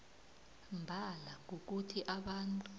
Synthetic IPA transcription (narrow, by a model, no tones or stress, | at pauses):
mbʱalak̬uk̬utʰiʔaɓantʼu